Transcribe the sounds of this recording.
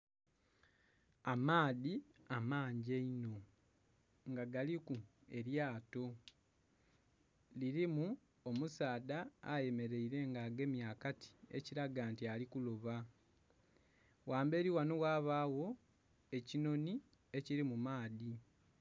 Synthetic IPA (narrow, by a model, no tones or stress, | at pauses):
amaːðiamaːɲɟeino̞ | ŋɡaɡalikue̞ɾjaːto̞ | liɾimu | omusaːda̰ːje̞me̞ɾe̞iɾe̞ŋɡaːɡe̞ːmjaːkati̥ḛciɾaɡaːntialikuloβa | waːmbe̞ːɾiwanowaːβawo̞ | e̞cino̞ni | e̞ciɾimumaːði